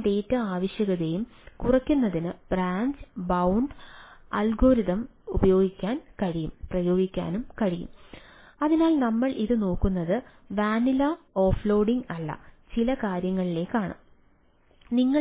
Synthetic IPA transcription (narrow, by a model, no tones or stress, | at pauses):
ɖ̪e̞ːtːɐaːʋɐɕjɐɣɐðejumkurɐkʲːunːɐðinɨb̥raːɲd͡ʑbɐwɳɖɐlɡoːɾiðɐmubɐjo̞ːɡikʲːaːnkɐɻijumprɐjo̞ːɡikʲːa̰ːnumkɐɻijṵm | ɐðinaːlnɐmːɐɭiðɨno̞ːkːunːɐðɨʋaːnilɐoːflo̞ːɖiŋɡɐɭːɐ̰t͡ɕilɐkaːɾjɐŋːɐɭile̞ːkːaːɳɐ̰m | niŋːɐ